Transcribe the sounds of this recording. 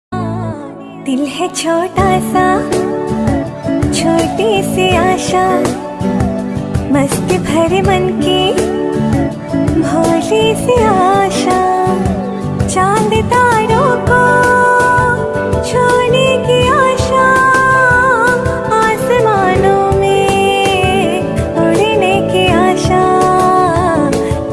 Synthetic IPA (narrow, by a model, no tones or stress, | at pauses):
t̪ɪlɦet͡ʃʰoːʈaːsa | t͡ʃʰoːʈisiaːʃa | mɐst̪ibʱɐɾemɐnki | bʱoːliseaːʃa | t͡ʃaːnd̪ɪt̪aːɾoːko | t͡ʃʰoːnekiaːʃa | aːsemaːnõmẽ | oɽnekiaːʃa